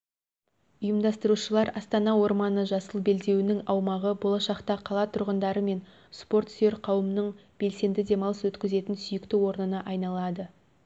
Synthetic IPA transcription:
ʊjəmd̪ɑst̪əɾuʃəlˠɑɾɑst̪ɑnɑwo̞ɾmɑnəʒɑsəlˠbe̞ld̪e̞wɪnɪŋɑwmɑʁəbo̞lˠɑʃɑqt̪ɑqʰɑlˠɑt̪ʰʊɾʁənd̪ɑɾəme̞n | spo̞rt̪se̞ɾqʰɑwəmnəɴb̥e̞lse̞nd̪ɪd̪e̞mɑlˠəswɵt̪kʲɪze̞t̪ɪnsʏjɪkt̪ɪwo̞ɾnənɑʔɑjnɑlˠɑd̪ə

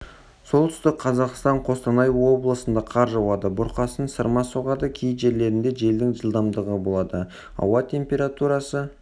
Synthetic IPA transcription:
so̞lˠt̪ʰʏ̥st̪ɪkqʰɑzɑqst̪ɑɴqʰo̞st̪ɑnɑjwo̞blˠəsənd̪ɑqʰɑɾʒɑwɑd̪əbʊɾqɑsənsəɾmɑsoʁɑd̪əkʲʰej̪ʒe̞ɾle̞ɾɪnd̪e̞ʒe̞ld̪ɪŋʒəlˠd̪ɑmd̪əʁəbo̞lˠɑd̪ə | ɑ̰wɑt̪ʲʰe̞mpʲe̞ɾat̪uɾɑsə

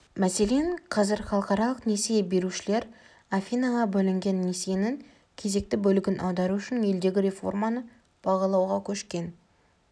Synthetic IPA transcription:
mæse̞le̞ɴqʰɑzɪɾχɑlˠəqɑɾɑlˠəqne̞sijebe̞ɾuʃɪle̞ɾ | afʲinaʁɑbɵlɪŋɡʲe̞nːesenɪŋ | kʲʰe̞ze̞k̚t̪ɪbɵlɪɡʲɪnʔɑwd̪ɑɾuʏʃɪnje̞ld̪e̞ɡʲɪɾʲe̞fo̞̰rmanə | b̥ɑʁɑlˠɑwʁɑkʲʰɵʃkʲe̞n

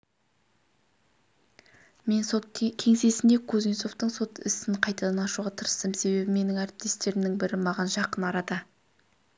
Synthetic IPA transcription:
me̞nso̞t̪̚kʲʰe̞ŋse̞sɪnd̪e̞kʰɵzinso̞ft̪əɴso̞t̪ɪ̰sɪɴqʰɑjt̪ɑd̪ɑnɑʃuʁɑt̪ʰəɾəst̪əmse̞be̞bɪme̞nɪŋæɾɪp̚t̪e̞st̪e̞ɾɪmnɪŋbɪɾɪmɑʁɑnʒɑqənɑɾɑd̪ə

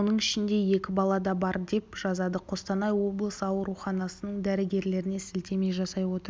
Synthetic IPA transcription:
onəɴɪʃɪnd̪e̞je̞kʲɪbɑlˠɑd̪ɑbɑɾd̪e̞pʒ̥ɑzɑd̪əqʰo̞st̪ɑnɑjwo̞blˠəsəɑwəɾuχɑnɑsənəɴd̪æɾɪɡʲe̞ɾle̞ɾɪne̞sɪlt̪e̞me̞jʒɑsɑjwo̞t̪əɾ

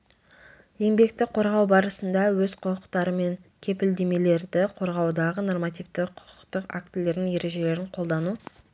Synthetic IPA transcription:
je̞mbe̞kt̪ɪqʰo̞ɾʁɑwbɑɾəsənd̪ɑwɵzqʰʊqəqt̪ɑɾəme̞ŋkʲʰe̞pɪld̪e̞me̞le̞ɾd̪ɪqʰo̞ɾʁɑwd̪ɑʁəno̞rmɑt̪ijvt̪ɪqʰʊ̥qə̥qt̪əqa̰k̚t̪ɪlːe̞ɾd̪ɪŋe̞ɾe̞ʒe̞le̞ɾɪɴqʰo̞lˠd̪ɑnu

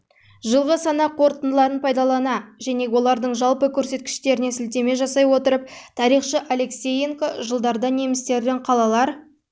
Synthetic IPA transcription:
ʒəlˠʁəsɑnɑqʰo̞ɾt̪ənd̪əlˠɑɾənpʰɑjd̪ɑlˠɑnɑʒæne̞wo̞lˠɑɾd̪əɴʒɑlˠpəkʲʰɵɾse̞t̪̚kʲɪ̥ʃt̪e̞ɾɪne̞sɪlt̪e̞me̞ʒɑsɑjwo̞t̪əɾəp̚t̪ʰɑɾijχʃəʔale̞ksʲe̞jeŋkoʒəlˠd̪ɑɾd̪ɑne̞mɪst̪e̞ɾd̪ɪɴqʰɑlˠɑlˠɑɾ

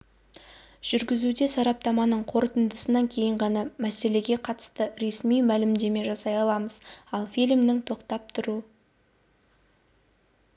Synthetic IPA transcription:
ʒ̥ʏɾɡʲɪzud̪e̞sɑɾɑp̚t̪ɑmɑnəɴqʰo̞ɾət̪ənd̪əsənɑŋkʲʰe̞jɪɴʁɑnɑmæse̞le̞ɡʲe̞qʰɑt̪ə̥st̪əɾe̞smijmælɪmd̪e̞me̞ʒɑsɑjɑlˠɑməzɑlˠfijlʲmnɪŋt̪ʰo̞qt̪ɑp̚t̪ʰʊɾu

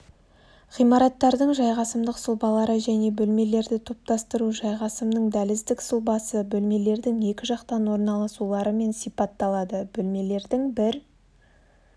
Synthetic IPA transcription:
ʁijmɑɾɑt̪ːɑɾd̪əɴʒɑjʁɑsəmd̪əqsəlˠbɑlˠɑɾəʒæne̞bɵlme̞le̞ɾd̪ɪt̪ʰo̞p̚t̪ɑst̪əɾuʒɑjʁɑsəmnəɴd̪ælɪzd̪ɪksʊlˠbɑsəbɵlme̞le̞ɾd̪ɪŋje̞kʲɪʒɑqt̪ɑnwo̞ɾnɑlˠɑsulˠɑɾəme̞nsijpɑt̪ːɑlˠɑd̪əb̥ɵlme̞le̞ɾd̪ɪŋbɪɾ

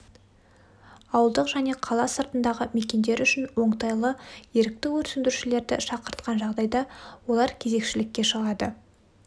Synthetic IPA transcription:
ɑwəlˠd̪əqʒ̥æne̞qʰɑlˠɑsəɾt̪ənd̪ɑʁəme̞kʲe̞nd̪e̞ɾʏʃɪnwo̞ɴt̪ɑjlˠəje̞ɾɪk̚t̪ɪwɵɾsɪnd̪ɪɾuʃɪle̞ɾd̪ɪʃɑqəɾt̪qɑnʒɑʁd̪ɑjd̪ɑwo̞lˠɑɾkʲʰe̞ze̞kʃɪlɪkʲːe̞ʃəʁɑd̪ə

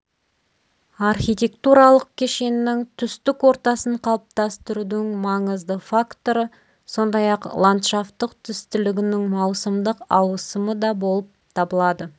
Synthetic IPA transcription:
ɑrχijt̪ʲe̞kt̪uɾɑlˠəq̚kʲʰe̞ʃe̞nːɪŋt̪ʰʏst̪ɪkwo̞ɾt̪ɑsəɴqʰɑlˠəp̚t̪ɑst̪ʏɾud̪ɪɪŋmɑɴəzd̪əfakt̪o̞ɾə | so̞nd̪ɑjɑqlˠant̪ʃaft̪əqt̪ʰʏst̪ʏlɪɡʲɪnɪŋmɑwsəmd̪əqɑwəsəməd̪ɑbo̞lˠəp̚t̪ʰɑbəlˠɑd̪ə

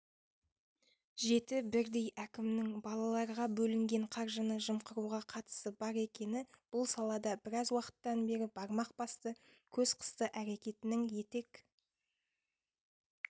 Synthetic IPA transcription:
ʒe̞t̪ɪbɪɾd̪e̞jʔækʲɪmnɪŋbɑlˠɑlˠɑɾʁɑbɵlɪŋɡʲe̞ɴqʰɑɾʒənəʒəmqəɾuʁɑqʰɑt̪ə̥səbɑɾe̞kʲe̞nɪb̥ʊlˠsɑlˠɑd̪ɑbɪɾɑzwɑqə̥t̪ːɑnbe̞ɾɪbɑɾmɑq̚b̥ɑst̪ə | kʲʰɵzqʰə̥st̪əʔæɾe̞kʲe̞t̪ɪnɪŋje̞t̪e̞k

